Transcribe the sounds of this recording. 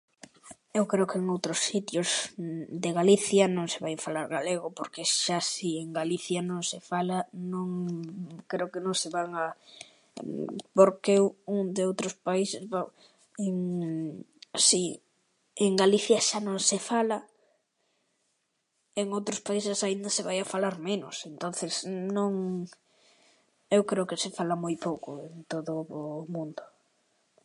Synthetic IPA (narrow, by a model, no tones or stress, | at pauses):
ewkɾeʊkeŋowt̪ɾʊsːit̪jʊzd̪eɣaliθjɐnõŋseβajfalaɾɣaleɣ̞ʊpoɾkeʃasieŋɡaliθjanõŋsefalanõŋ | kɾeokenõŋseβaŋa | poɾkewuŋd̪eowt̪ɾospaisesβa | eŋ | si | eŋɡaliθjɐʃanõŋsɪfalɐ | eŋowt̪ɾʊspaisesaind̪ɐseβajafalaɾmenʊ̰sent̪on̟θesnõŋ | ewkɾeʊkɪsefalamojpowkʊent̪oðʊmũnd̪ʊ